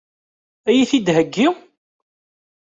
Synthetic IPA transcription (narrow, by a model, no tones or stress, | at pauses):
æjiθid̪ɦəɡːi